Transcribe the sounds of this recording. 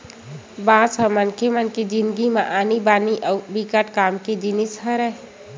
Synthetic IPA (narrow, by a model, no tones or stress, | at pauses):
bãːsəmənkʰemənkid͡ʒɪnɡimãʔaːnibaːniʔbikəʈkaːmked͡ʒinishəɾɛ